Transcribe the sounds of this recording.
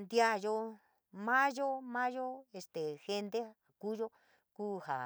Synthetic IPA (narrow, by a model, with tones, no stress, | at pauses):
nd̪ja˦jo˧ | mã˦ʒo˦mã˦ʒo˦e˧st̪e˨xe˧nd̪e˦a˨ku˦ʒo˦ | kuː˦ha̰˨